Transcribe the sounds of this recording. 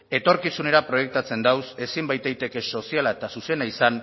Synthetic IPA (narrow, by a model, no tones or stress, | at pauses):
e̞t̪o̞ɾkisune̞ɾapɾo̞je̞k̚t̪at͡se̞nd̪awse̞simbajt̪ejt̪e̞ke̞so̞sialae̞t̪asuse̞naisan